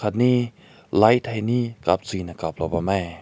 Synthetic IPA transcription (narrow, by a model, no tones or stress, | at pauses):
at̪̚ni | lajt̪ʰajnikap̚t͡sinakap̚lɔpamaj